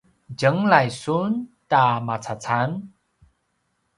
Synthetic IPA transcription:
d͡ʑəŋlajsuntamat͡sʰat͡sʰan

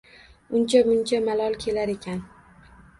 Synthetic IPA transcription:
ʊnt͡ʃʰamʊnt͡ʃʰamalˠɒlˠkʲʰe̞laɾe̞kʲʰan

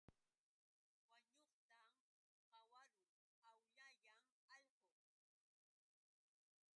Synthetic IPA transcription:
waɲoχt̪a | qɑwaɾʊ | awʎaʎam | ɑʎqo

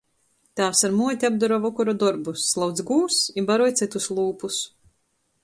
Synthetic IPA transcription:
t̪aːwsaɾmuɔt̪ʲiab̚d̪ɔɾɔvɔkɔɾɔd̪ɔɾbuslˠawd̪zɡuːsibaɾɔjt̪sɨt̪uslˠuːpus

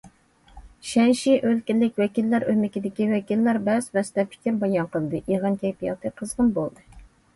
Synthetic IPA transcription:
ʃɛnʃiʔølkʲilːɪkʲwɛkʲilːæɾʔømɪkʲid̪ɪkʲiwɛkʲilːæɾbɛzvɛst̪ɛpʰi̥kʲɪɾbɑjɑnqəlˠd̪ɨʔiʁɑnk̪ʲʰɛjpijɑ̰t̪ʰɨqʰəzʁənbolˠd̪ɨ

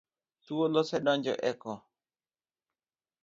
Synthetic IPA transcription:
t̪uolɔsɛdɔɲd͡ʒɔ̰ʔɛkɔ

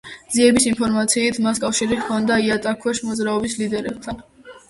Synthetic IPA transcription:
ziɛbisimpʰɔɾmat̪sʰiːt̪ʰmaskʼafʃiɾiχkʰɔnd̪aiat̪ʼakʰwɛʃmɔd̪zɾaɔbislid̪ɛɾɛb̚t̪ʰan

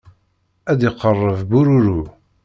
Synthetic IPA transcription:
æd̪jiqːərˤːəvbuɾuɾu

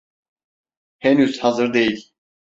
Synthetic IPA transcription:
hɛnyzhazɯɾd̪ejilʲ

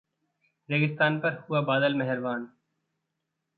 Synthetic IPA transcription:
ɾeːɡɪst̪aːnpɐɾhuabaːd̪əlmɛɦɛɾʋaːn

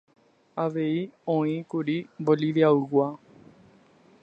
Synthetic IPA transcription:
aʋe̞iõĩkuɾiboliʋiauɡʷa

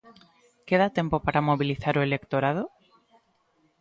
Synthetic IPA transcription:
keðat̪empopaɾʔamoβiliθaɾoelekt̪oɾað̞o

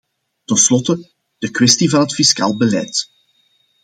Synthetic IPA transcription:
tənslɔtə | d̥əkwɛstivɑnɦətfiska̰ːlˠbəlɛ̰jt

